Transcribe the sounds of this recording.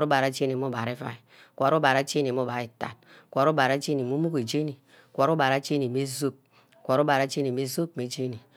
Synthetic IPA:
ɾu˦ba˨ɾa˨˦t͡ʃe˦ni˨m˦u˦ba˨ɾi˦fa̰˨i˨ | kʷa˨ɾu˦ba˨ɾa˦t͡ʃe˦ni˨m˦u˦ba˨ɾi˨ta̰˨t̚ | kʷa˨ɾu˦ba˨ɾa˦t͡ʃe˦ni˨mu˦mu˦ke˨d͡ʒe˦ni˨ | kʷa˨ɾu˦ba˨ɾa˦t͡ʃe˦ni˨m˦e˦zo˦p̚ | kʷa˨ɾu˦ba˨ɾa˦t͡ʃe˦ni˨m˦e˦zo˦pm˨e˨˦d͡ʒe˦ni˨

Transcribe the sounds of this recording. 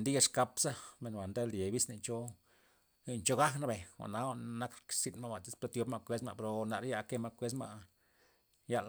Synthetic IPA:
nd̪i˦ja˧ʂka˧psa˦me˨nwʷa˨nd̪e˦lje˨bi˦sne˧nt͡ʃo˦˧ | nt͡ʃo˦ɡa˦kna˧be˨wa̰˨ʔna˦a˦˧na˦ksi˧nma˦wa˨t̪i˦spa˦t̪jo˧˦pma˧kʷe˧˦sma̰˧pe˧ɾo˧na˧ɾja˧ke˦ma˧kʷe˧˦s̬ma̰˧ | ja˧l

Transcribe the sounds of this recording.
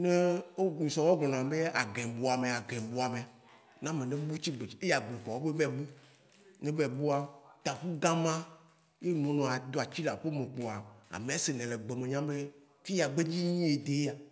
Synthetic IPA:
nẽ˦wo˦nũ˨sɔ̃˨wɔ˦ɡɔ̃˨nã˨be˦a˨ɡẽ˨bo˨a˨me˨a˨ɡẽ˨bo˨a˨me˨ | nã˦mẽ˨nẽ˦bu˦t͡ɕi˦ɡ͡be˨˦e˦ja˨ɡ͡bẽ˨k͡pɔ˨wo˦be˦bɛ˦bu˦ | nẽ˦bɛ˨bu˦a˦t̪a˨ku˦ɡã˦mã˦ | je˦n˨õ˨˦nɔ̃˨a˨d̪o˨a˨t͡ɕi˦la˨ɸe˦mẽ˨k͡po˨a˨a̰˨mẽ˨a˦se˨nẽ˨le˨ɡ͡be˨mẽ˨ɲã˦be˦ | fi˦ja˨ɡ͡be˦d͡ʑi˦ɲĩ˦e˨d̪e˨˦a˨

